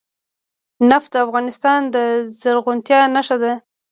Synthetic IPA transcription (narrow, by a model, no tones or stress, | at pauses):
nafd̪əafɣɑnɪst̪ɑnd̪əzəɾɣʊnt̪jɑnaʃad̪a